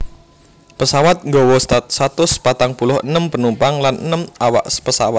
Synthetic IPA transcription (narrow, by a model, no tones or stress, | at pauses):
pəsawat̪̚ŋɡɔwɔssat̪ʊspat̪aŋpulʊhənəmpənumpaŋlanənəmawa̰ʔspəsawat̪̚